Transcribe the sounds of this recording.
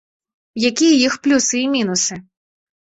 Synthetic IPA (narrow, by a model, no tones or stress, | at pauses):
jakʲijɐjixplʲusɨːmʲinusɨ